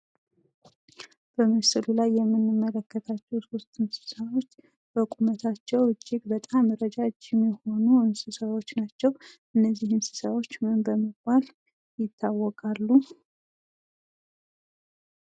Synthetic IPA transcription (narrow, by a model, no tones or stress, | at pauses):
b̥əməsɨlulajːɛmːɨnːɨmːələkːət̪ʰat͡ʃːɛwso̞st̪ɨmsɨ̥səβo̞t͡ʃː | b̥əkʼumət̪ʰat͡ʃːɛwɨd͡ʒːɪɡbət̪ʼamːəɾəd͡ʒad͡ʒɛmːjɛho̞nuɨmsɨsəβo̞t͡ʃːnat͡ʃːɛwʔɨnːəzːihɨmsɨ̥səβo̞t͡ʃːmɨmbəməɡbal | jɪt̪ʰːawːɔkʼalːu